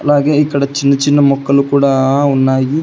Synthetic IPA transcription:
ɐlaːɡeːiːkɐɽet͡ʃinːɐt͡ʃinːɐmɔkːɐlukuːɽɐunːaːɡi

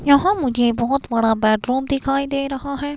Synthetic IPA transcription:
jɐɦãːmʊd͡ʒẽbɔːʊt̪bəɽ̃aːbɛːʈɾuːmd̪ɪkʰaːid̪eːɾɐɦaːɦɛː

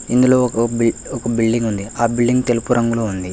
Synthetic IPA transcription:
ind̪uloːkɐɔkɐbilɖiŋɡund̪iaːbiɭɖiŋɡt̪e̞lupuɾɐŋɡuloːund̪i

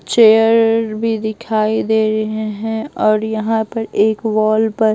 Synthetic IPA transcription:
t͡ʃeːjəəɾbʱid̪ɪkʰaːid̪eːɾɐɦeɦɛ̃ɔːɾjɐɦãpɐɾeːkʋɔːlpɐɾ

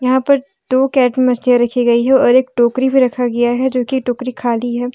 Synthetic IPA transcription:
jɐɦãpɐɾ | d̪̥oːkɛːʈmemɐslijaɾɐkʰiɡɐiɦɛɔːɾeːk̚ʈoːkɾibʱiɾɐkʰaɡɐjaɦɛd͡ʒoːkiʈoːkɾikʰaːliɦɛː

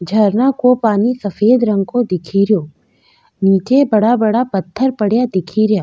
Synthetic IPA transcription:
d͡ʒʱɐɾnakopaːnisɐfeːd̪ɾə̃ŋɡ̚kod̪ɪkʰiːɾjoː | niːt͡ʃebɐɽabɐɽapɐt̪ʰːəɾpɐɽjad̪ɪkʰiːɾjaː

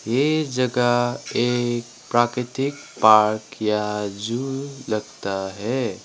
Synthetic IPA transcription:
jed͡ʒəɡaek̚ | pɾakɾit̪ik̚ | paɾkjad͡ʒuləɡt̪aɦɛ

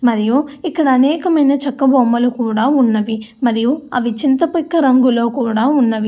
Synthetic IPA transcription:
mɐɾijuikːɐɽɐːnɛːkɐmɐjnɐt͡ʃɐkːɐbʱɔːmbɐlukuːɽaːunːɐʋimɐɾijuɐʋit͡ʃint̪ɐpɐkːɐɾɐŋɡulo̞ːkuːɽaːunːɐʋi

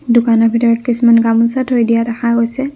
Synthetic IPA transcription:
dukanɔpʰitɔɹɔt̚kismanɡamunsatɦojdijaɾaxaɡojsɛ

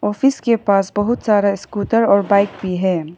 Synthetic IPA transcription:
ɔːfɪskepaːsbɐɦʊt̪saːɾaɪskuːʈəɾɔːɾbaːɪkbʱiɦɛː

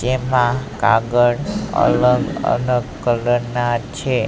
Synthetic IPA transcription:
d͡ʒemãka̰ɡəɽə̰ləɡə̰ləɡkələnat͡ʃʰe

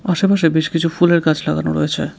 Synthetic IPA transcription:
aʃepaʃebeʃkit͡ɕʰufuleɾkat͡ɕʰlaɡa̰no̰ɾo̰jet͡ɕʰḛ

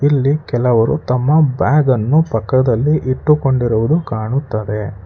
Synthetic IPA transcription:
ilːikɛlɐʋɐɾut̪ɐmːɐbaːɡɐnːupɐkːɐd̪ɐlːiʔiʈːuko̞ɳɖiɾuʋud̪ukaːɳut̪ːɐd̪e̞

